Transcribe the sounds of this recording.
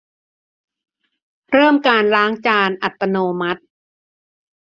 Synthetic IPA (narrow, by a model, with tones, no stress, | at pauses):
ɾɤː˥˩mkaː˧nɾaː˦˥ŋt͡ɕaː˧nʔa˨˩t̪ːa˧noː˧ma˦˥t̪̚